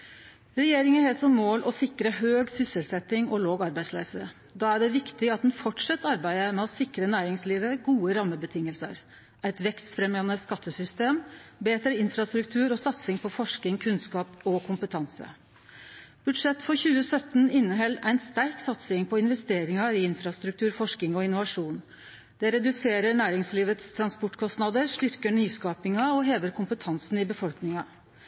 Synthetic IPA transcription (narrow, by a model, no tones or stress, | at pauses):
ɾɛjeːɾɪŋənhɛlsɔmːoːlʔɔsɪkɾəɦøːɡsʏsəlsɛt̪ɪŋɔloːɡɑɾbæɪd̪slæːsə | d̪ɑːæɖɛʋɪkt̪ɪɑt̪̚d̪nfɔʈʂɛt̪ːɑɾbæɪəmɛɔsɪkɾənæːɾɪŋsliːʋəɡuːəɾɑmːəbət̪ʰɪŋːəlsə̰ɾ | ʔæɪt̪ʋɛkst̪fɾɛmɑnəskɑt̪ːəsʏst̪eːmbeːt̪ɾəɪnfɾɑst̪ɾʉkt̪ʰʉːɾɔsɑt̪sɪŋpʰɔfɔʂk̪ɪŋkʰʉnskɑːpɔkʰʊmpət̪ʰɑnsə̰ | b̥ʉɖʂɛt̪ːfɔɾçʉːəsœt̪n̩ɪnːəɦɛlːæɪnst̪æɾksɑt̪sɪŋpʰɔɪnʋɛst̪eːɾɪŋɑɪɪnfɾɑst̪ɾʉk̚t̪ʰʉːɾfɔʂkɪŋɔɪnʊʋɑʂuːn | d̪̥ɛɾɛd̪ʉseːɾəɳæːɾɪŋsliːʋət̪st̪ʰɾɑnspɔʈkʰɔst̪nɑd̪əɾʂt̪ʏɾkəɳyːskɑːpɪŋɑɔɦeːʋəɾkʰʊmpət̪ʰɑnsn̩ɪbəfɔlknɪŋɑ